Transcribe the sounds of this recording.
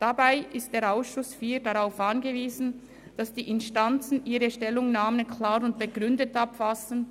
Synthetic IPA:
d̥abaɪʔɪst̚d̥eːɐʁaʊsʃʊsfiːdaʁaʊfʔanɡəviːzn̩ | d̥asd̥iːʔɪnʃtant͡sn̩ʔiːʁəʃtɛlʊŋnaːmənkʰlaːɾʊntb̥əɡʁʏndətapfasən̩

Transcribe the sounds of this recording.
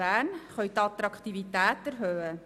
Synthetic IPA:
æːnχœɥt̪ɑt̪ɾɑkʰt̪ivitæːtæɾɦøːə

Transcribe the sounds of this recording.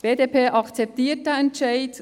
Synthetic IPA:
b̥eːdepʰeːʔɑkt͡sɛp̚tiːt̚dəɛntt͡ʃaɪt

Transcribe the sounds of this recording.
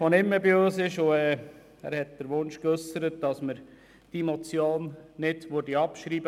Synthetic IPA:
fonɪmːəbiøːsɪʃʊɛː | æ̰ːɾhɛt̚d̥əɾʋʊnʃkøsəɾət̚d̥ɑsməɾ | d̥imɔt͡sjoːnnɪdʋodiɑpʃɾiːb̥ə

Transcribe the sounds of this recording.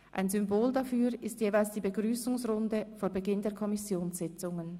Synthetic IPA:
ʔa̰ɪnzʏmboːldafyːʁɪstjeːvaɪlsd̥iːbəɡʁyːsʊŋsʁʊndəfoːɐbəɡɪndeːɐkʰɔmɪsjoːnsz̥ɪt͡sʊŋən

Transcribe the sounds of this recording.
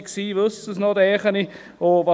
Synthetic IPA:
ksiːʋøsəsnodɛːχəni | ovɑ

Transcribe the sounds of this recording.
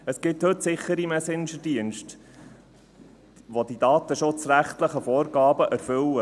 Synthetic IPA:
əsɡ̥ɪthɵtsɪχəɾimɛsɪnʃəd̥iənʃt | ʋod̥̪id̥ɑːt̪əʃʊt͡sɾæχtləχəfɔːɾɡɑːbəʔæɾfʏlə

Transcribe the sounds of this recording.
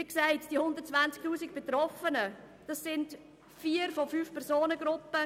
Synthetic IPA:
iksaɪtd̥ihʊndəɾt̚t͡sʋant͡sk̚tuːsɪk̚b̥etɾɔfənə | d̥ɑsːɪnd | fiːəɾfofyːfpʰɛɾzoːnəɡ̥ɾʊpːə

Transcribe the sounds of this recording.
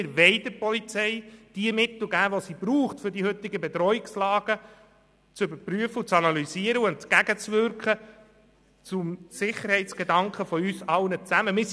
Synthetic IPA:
ɪɾʋɛɪdəpɔlit͡sɛɪd̥iəmɪt̪l̩ˠɡæːʋosib̥ɾuːχtfʏɾdihɵt̪ːɪɡəbɛt̪ɾɔɪkslɑːɡ̥ə | t͡sʏbəɾpɾyəfəut͡sɑnɑlysiəɾəuʊntt͡sɡ̥æɡət͡sʋʏɾkχə | t͡sʊmsɪχəɾhɛɪtt͡sɡ̥edɑŋkχəfɔyːsɑlnət͡sæməmɪs

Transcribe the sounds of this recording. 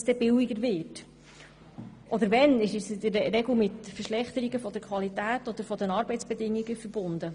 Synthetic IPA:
sd̥ɛbɪwiɡəɾvɪːt | ʔɔd̪əɾvɛnɪʃɪsɪd̪əɾrɛɡl̩mɪtfəʃlɛχt̪əɾiɡəfɔd̪əɾkʰʋɑlitæːtɔd̪əɾfɔd̪ənɑːɾbɛjt͡sb̥ɛd̪ɪŋːiɡəfəɾb̥ʊnd̪ə

